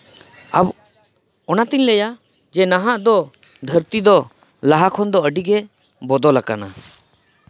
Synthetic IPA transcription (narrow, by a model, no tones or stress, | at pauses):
ab | ɔnat̪iɲlɛja | d͡ʒɛnaɦaʔd̪ɔ | d̪ʱəɾt̪id̪ɔ | laɦakʰɔnd̪ɔəɖiɡɛ | bɔd̪ɔlaka̰na̰